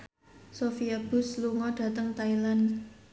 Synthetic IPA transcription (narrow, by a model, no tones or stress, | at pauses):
sofiab̥ʊ̤sluŋɔɖ̥ä̤t̪əŋt̪ailan